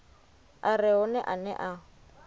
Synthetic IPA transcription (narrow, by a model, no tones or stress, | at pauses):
arɪʊnɛʔanɛ̰ʔa